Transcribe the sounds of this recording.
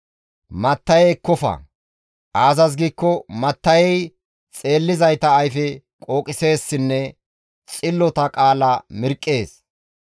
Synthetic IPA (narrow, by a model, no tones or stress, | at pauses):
mɐt̪ːɐjɛkːɔfɐ̰ | ʔaːzɐs̬ɡiːkːɔmɐt̪ːɐjɛj | t͡sʼe̞ːlːɪzɐjt̪ɐːjfɛ | kʼo̞ːkʼɪse̞ːsːɪnːɛ | t͡sʼɪlːɔt̪ɐkʼaːlɐmɪɾkʼːeːs